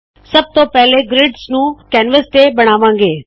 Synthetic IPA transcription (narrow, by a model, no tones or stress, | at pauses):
sɐb̚t̪opɛɦleɡɾɪɖsnũːkɛːnʋəst̪ebɐɽ̃aːʋãːŋɡeː